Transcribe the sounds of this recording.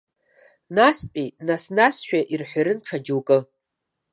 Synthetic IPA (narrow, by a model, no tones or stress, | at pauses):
naspʲʼinasnasʃᶣaʔirħʷᶣaɾɨnʈ͡ʂʰad͡ʒuwkʼɨ